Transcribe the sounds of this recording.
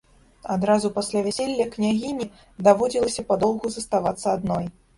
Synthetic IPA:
ad̪ɾazupasʲlʲavʲɛsʲelʲːɐknʲaɣʲimʲi | d̪avɔd͡zʲilˠɐsʲɐpad̪ɔlˠɣuzɐst̪avat̪sːɐad̪nɔj

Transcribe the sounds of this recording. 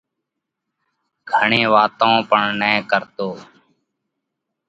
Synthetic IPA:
ɡʱəɳeːʋaːt̪õːpəɳnɛːkəɾt̪oː

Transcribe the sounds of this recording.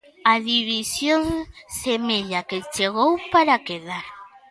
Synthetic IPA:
aðiβisjoŋsemeʎaket͡ʃeɣ̞owpaɾakeðaɾ

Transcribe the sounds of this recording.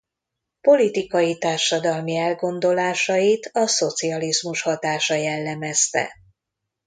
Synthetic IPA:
po̞lit̪ikɒjit̪aːrʃɒd̪ɒlmiɛlɡo̞nd̪o̞laːʃɒjit̪ɒso̞t̪siɒlizmuʃhɒt̪aːʃɒjɛlːɛmɛst̪ɛ̰

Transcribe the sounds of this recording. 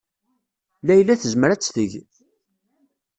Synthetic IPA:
læjlːæθəzməɾæt͡sːθəʝ

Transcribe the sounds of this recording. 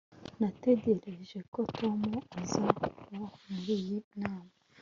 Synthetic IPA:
nateɟeɾeʒekotʰomoazaaɾijinaːma

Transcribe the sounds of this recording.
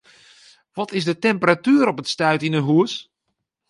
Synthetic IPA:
ʋɔtɪsdətɛmpəratyːəɾɔpətstœɥtinəɦuəs

